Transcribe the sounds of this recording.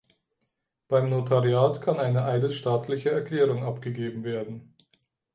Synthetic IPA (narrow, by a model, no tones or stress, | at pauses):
b̥aɪmnotʰaʁiaːtkʰanaɪnəʔaɪdəʃtaːtʰlɪçəɛɐkʰl̥ɛːʁʊŋʔapɡ̥əɡeːbm̩veːɐdn̩